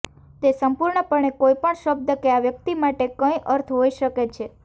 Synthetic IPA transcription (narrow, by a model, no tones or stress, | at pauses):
t̪esəmpuɾɳəpəɳekoipəɳʃəb̚d̪əkeaʋjəkt̪imaʈekə̃ĩʔəɾt̪ʰɦoiʃəket͡ʃʰe